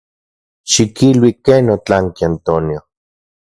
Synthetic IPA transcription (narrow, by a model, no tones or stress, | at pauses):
ʃikilwikenot͡ɬaŋkiant̪onjo